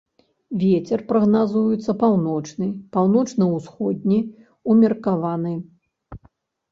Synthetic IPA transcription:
vʲɛt͡sʲɛrpɾɐɣnazujut̪sːɐpawnɔt͡ʂnɨpawn̪ɔt͡ʂnɐwsxɔd̪̚ʲnʲi | umʲɐrkavanɨ

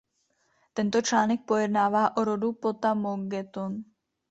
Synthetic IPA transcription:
t̪ɛnt̪o̞t͡ʃlaːnɛk̚po̞jɛdnaːvaːʔoɾo̞dupo̞t̪amoɡɛt̪on

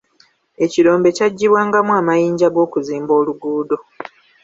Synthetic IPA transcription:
e̞ciɾo̞ːmbe̞caɟːiβwaːŋɡamuwaːmajiːɲɟaɡo̞ːkuziːmbo̞ːluɡuːdo̞

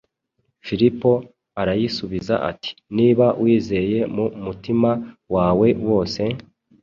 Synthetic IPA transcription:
filipo̞ | aɾajisuβiza̰ʔa̰ti̥niːβawʔiːze̞je̞mumutimawaːwe̞wo̞ːse̞

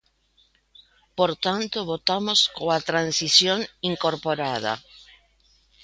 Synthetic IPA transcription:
poɾt̪ant̪oβot̪amoskoat̪ɾansisjoŋiŋkoɾpoɾað̞a̰

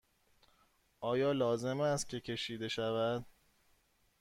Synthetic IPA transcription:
ʔɒːjɒːlɒːze̞mæst̪cʰʲe̞cʰe̞ʃiːd̪e̞ʃævæd̪̥

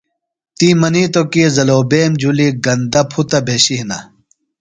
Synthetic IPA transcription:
t̪imɐnit̪okizɐloːbeːmd͡ʑuliɡɐnd̪ɐpʰut̪ɐbʱeːɕiɦnɐ

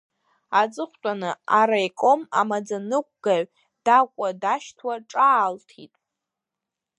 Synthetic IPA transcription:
ad͡zʼɨχʷt͡pʷʼanɨaɾajkʼomamad͡zanɨk̚ʷʰʼɡ̥aʕ | d̥akʷʼadaʃtʰwaʈ͡ʂʼaːltʰḭtʼ

